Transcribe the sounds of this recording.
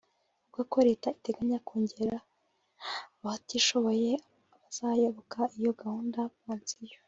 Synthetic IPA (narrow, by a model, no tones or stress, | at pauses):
ubɡakoɾe̞ːtaite̞ɡaɲakoːɲɟe̞ɾa | βatiʃo̞βo̞je̞ | aβaz̥ajoβokaijo̞ɡahuːndaβaːnzijo